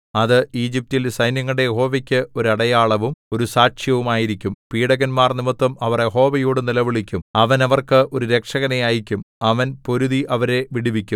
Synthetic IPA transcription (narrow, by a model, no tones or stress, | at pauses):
ɐðɨiːd͡ʑip̚tilsɐjnjɐŋːɐɭɽejeɦo̞ːʋɐkʲːɨo̞ɾuɐɽɐjaːɭɐʋumo̞ɾusaːkʂjɐʋumaːjiɾikʲːumpiːɽɐɣɐnmaːrnimut̪ːwɐmɐʋɐrjeɦo̞ːʋɐjuːɽɨnilɐʋiɭikʲːumɐʋɐnɐʋɐrkɨʔo̞ɾuɾe̞kʂɐɣɐnejaːjikʲːumɐʋɐnpo̞ɾuðiʔɐʋɐɾe̞ʋiɽiʋikʲːum